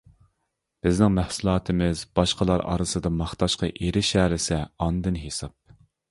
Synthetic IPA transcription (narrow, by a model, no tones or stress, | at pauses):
b̥ɪznɪŋmæhsulˠɑːt̪ʰɪmɪzbɑʃqəlˠɑɾɑ̰ɾɨsɨd̪ɑmɑχt̪ʰɑʃqɑʔeɾɪʃɛːɾɪsɛɑnd̪ɨnɦesɑp̚